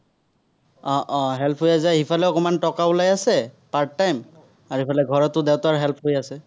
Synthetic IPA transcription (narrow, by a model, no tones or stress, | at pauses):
ɔʔɦɛlpʰɦojazajhipʰalɛɔkɔmantɔkaʊlajasɛpaɹtːajm | aɹhipʰalɛɡʱɔɹɔtːʊdewtaɹɦɛlpʰɦojasɛ